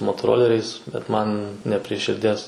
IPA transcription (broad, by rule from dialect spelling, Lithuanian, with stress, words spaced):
moːtoːˈroːlʲɛrʲɛɪs bʲɛt ˈmɐn nʲɛ pʲrʲiɛ ʃʲɪrʲˈdʲiɛs